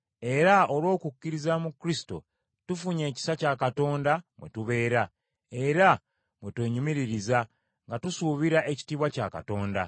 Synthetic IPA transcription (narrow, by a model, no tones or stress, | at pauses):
e̞ɾaolwo̞ːkucːiɾizamukɾisi̥to̞̰ | tufuɲe̞ːci̥sacakato̞ːndamwe̞̰tuβe̞ːɾa | e̞ɾa | mwe̞twe̞ːɲumiɾiɾiza | ŋɡatusuβiɾaʔe̞ci̥tiːβwaca̰ka̰to̞ːnda